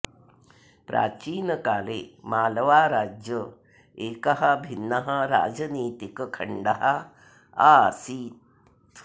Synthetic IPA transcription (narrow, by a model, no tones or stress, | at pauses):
pɾa̰ːt͡ʃiːnɐkaːleːmaːlɐʋaːɾaːd͡ʒjə | eːkɐɦɐbʱinːɐɦɐɾa̰ːd͡ʒɐniːt̪ikkʰɐɳɖɐɦɐ | aːsiːt̪